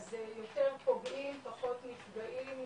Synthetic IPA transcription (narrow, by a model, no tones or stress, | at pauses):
zejo̞te̞ʁpo̞ɡʔimpaχo̞t̪nifɡaʔim